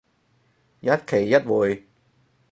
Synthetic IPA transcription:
jɐ˦˥t̚kʰe˨˩jːɐ˦˥t̚wuː˨˩j

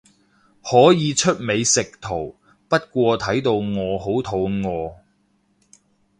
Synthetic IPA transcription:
hɔː˨˥jiː˨˧t͡ʃʰɵ˥t̚me˨˧jsɪ˨k̚t̪ʰo˨˩w | pɐ˥t̚kʷɔː˧t̪ʰɐ˨˥jt̪o˧wŋɔː˨˧ho˨˥wt̪ʰo˨˧wŋɔː˨˧

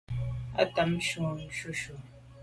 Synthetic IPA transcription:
a̰˦ta˨m̩˦ʃu˨˦ʃu˦ʃu˨

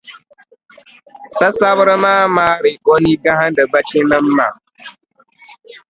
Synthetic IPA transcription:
sa˦sa˦bɾə˦maː˦maː˦ɾi˨ko˦ni˦ɡa˦ɦa˦n˦də˨ba˦t͡ʃi˦nə˦mː˦a̰˨

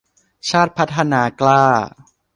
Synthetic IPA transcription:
t͡ɕʰaː˥˩t̪̚pʰa˦˥t̪ʰːa˧naː˩˦klaː˥˩

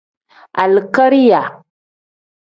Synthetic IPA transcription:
ʔa˨lka˦ɾi˦ja˨

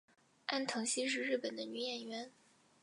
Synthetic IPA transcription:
a˥˩nt̪ʰɤ˧˥ŋɕi˥ʂ̬ɻ̩˥˧ɻɻ̩˥˩pə˨˩nd̪ə˦ny˧˥jɛ˨˩nɥɛ˧˥n

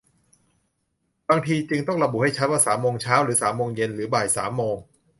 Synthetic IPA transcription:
baː˧ŋt̪ʰiː˧t͡ɕɯ˧ŋt̪ɔ˥˩ŋɾa˧bu˨˩ha˥˩jt͡ɕʰa˦˥t̪̚waː˥˩saː˩˦mːoː˧ŋt͡ɕʰaː˦˥wɾɯː˩˦saː˩˦mːoː˧ŋje˧nɾɯː˩˦baː˨˩jsa̰ː˩˦mːoː˧ŋ

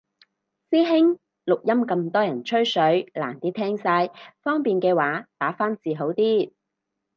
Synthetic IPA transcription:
siː˥ɦɪ˥ŋ | lʊ˨k̚jɐ˥mkɐ˧mt̪ɔː˥jɐ˨˩nt͡ʃʰɵ˥ɥsɵ˨˥ɥla̰ː˨˩nt̪iː˥t̪ʰɛː˥ŋsaː˧jfɔː˥ŋpiː˨nkɛː˧waː˨˥t̪aː˨˥faː˥nt͡siː˨˧ɦo˨˥wt̪iː˥

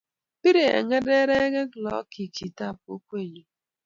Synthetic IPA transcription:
pi˦ɾe˨ḛ˨ŋe˦de˦ɾe˦e˦ɡe˦ɡlɔ̰˦ki˨ki˨ta˦˨p̚o̰˦kʷe˦˨ɲo˨

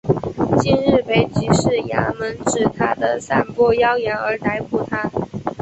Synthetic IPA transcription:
t͡ɕi˥nɻ̩˥˩pe˧˩ɪt͡ɕi˧˥ʂɻ̩˥˩ja̰˧˥mə˧˥nʈ͡ʂɻ̩˨˩t̪ʰa˥d̪ə˨sa˥˩npwɔ˥jɑ˥ʊjɛ˧˥nə˞˧˥t̪a˧˥ɪpu˨˩t̪ʰa˥

